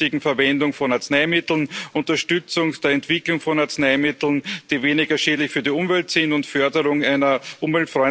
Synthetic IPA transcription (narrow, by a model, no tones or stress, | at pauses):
ɪɡŋ̩fɛɐvɛndʊŋfɔnaɐt͡snaɪmɪtl̩nʔʊntɐʃtʏt͡sʊŋd̥eːɐɛntv̥ɪklʊŋfɔnaɐt͡snaɪmɪtl̩nd̥iːveːnɪɡɐʃeːdlɪçfyːɐdiʊmvɛltsɪntʊntfœɐdəʁʊŋaɪnɐʔʊmvɛltfʁɔʏ